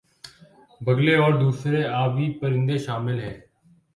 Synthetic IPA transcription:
bəɡleːɔːɾd̪uːsɾeaːʋiːpəɾɪ̃nd̪eːʃaːmɪlɦɛː

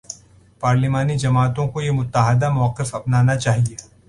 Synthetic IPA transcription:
paːɾlɪmaːnid͡ʒɐmaːt̪õkojemʊt̪ːaːɦəd̪amɐʋəqɪfɐpnaːnat͡ʃaːɦie

